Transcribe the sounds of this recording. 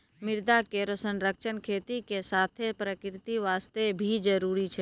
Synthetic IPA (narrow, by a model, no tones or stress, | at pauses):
mɪɾd̪akeɾosə̃nɾəkʃənkʰeːt̪ikesaːt̪ʰepɾəkɾɪt̪iʋaːst̪ebʱid͡ʒəɾuːɾit͡ʃʰɛ